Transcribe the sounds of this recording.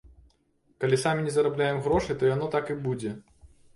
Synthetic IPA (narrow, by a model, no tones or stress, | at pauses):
kalʲisamʲinʲɛzɐɾablʲajɛmɣɾɔʂɨjt̪ɔjanɔt̪akɨbud͡zʲɛ